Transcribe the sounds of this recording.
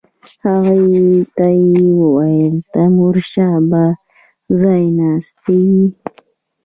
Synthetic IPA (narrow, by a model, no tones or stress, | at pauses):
aɣajt̪ajwajlt̪amʊɾʃaba | zajnast̪i